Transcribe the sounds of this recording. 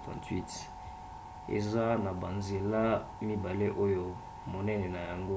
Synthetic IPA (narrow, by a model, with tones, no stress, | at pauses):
tã̰˨twi˦t | ḛ˨za˦na˨ba˨nze˨la˦ | mi˦ba˨le˦ʔo˦jo˦ | mo˨nɛ˦nɛ˨na˨ja˨ŋɡo˦